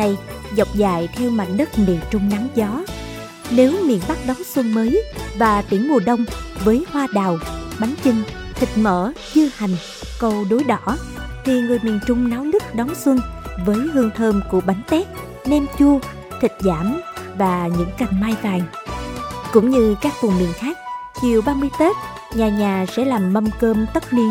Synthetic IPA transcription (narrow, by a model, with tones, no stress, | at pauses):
a˧˩j | zɔ˨˩wk͡p̚za̰ː˧˨jt̪ʰɛ˧wma̰˧˨ŋ̟ɗə˦˥t̚ne˨˩t͡ɕʊ˧ŋ͡mna˨˦wzɔ˨˦ | ne˨˦wmḭ˧˨ənɓa˦˥k̚ɗɔ˨˦ŋswə˧ŋməː˨˦jvaː˨˩t̪i˧˩əŋmu˨˩əɗə˧wŋ͡mvəː˨˦jhwaː˧ɗaː˨˩wɓa˨˦jŋ̟t͡ɕɨ˧ŋ | t̪ʰï˨˩k̚mə̰ː˧˨t͡ɕɨ˧ha˨˩jŋ̟ | kə˧wɗo˨˦jɗɔ̰˧˩˥t̪ʰi˨˩ŋɨ˨˩əjmi˨˩ənt͡ɕʊ˧ŋ͡mnaː˨˦wnɨ˦˥k̚ɗɔ˨˦nswə˧ŋvəː˨˦jhɨ˧əŋt̪ʰəː˧mku˧˩əɓa˨˦jŋ̟t̪ɛ˦˥t̚ | nɛ˧mt͡ɕu˧ə | t̪ʰï˨˩k̟̚zaː˧˩mvaː˨˩ɲɨ̰˧˥ŋka˨˩jŋ̟maː˧jvaː˨˩ŋ | kʊ̰˧˥ŋ͡mɲɨ˧kaː˦˥k̚vʊ˨˩ŋ͡mmḭ˧˨ənxaː˦˥k̚t͡ɕi˨˩əwɓaː˧mɨ˧əjt̪e˦˥t̚ | ɲaː˨˩ɲaː˨˩sɛ̰˧˥laː˨˩mːə˧mkəː˧mt̪ə˦˥t̚ni˧ən